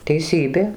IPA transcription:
tʲɛɪˈsʲiːbʲeː

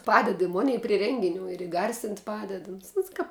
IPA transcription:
ˈpɑːdʲɛt ɪ ˈmʊnʲɛɪ pʲrʲɪ ˈrʲɛŋʲɡʲɪˌnʲuː ɪr ɪˈɡɐrʲsʲɪnʲtʲ ˈpɑːdʲɛt ʊns ˈʊns kɐp

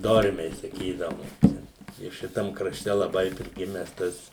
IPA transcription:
ˈdoːrʲmʲɛɪ sɐˈkʲiːdɐʋʊm ˈt͡ʃʲɛ ɪ ˈʃʲɪtɐm krɐˈʃʲtʲɛ lˠɐˈbɐɪ pʲrʲɪˈɡʲɪmʲɛs ˈtɐs

